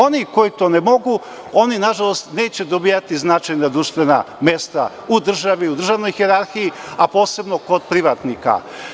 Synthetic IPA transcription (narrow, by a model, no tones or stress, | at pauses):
o̞niko̞it̪o̞nemo̞ɡu | o̞ninaʒalˠo̞st̪ne̞ːt͡ɕe̞d̪o̞biːjat̪iznat͡ʃajnad̪ɾuʃt̪ʋena̰me̞st̪a̰ | ud̪r̩ʒaʋiud̪r̩ʒaʋno̞jxeɾaɾxijiapo̞ːse̞bno̞ko̞d̪̚pɾiʋat̪nika̰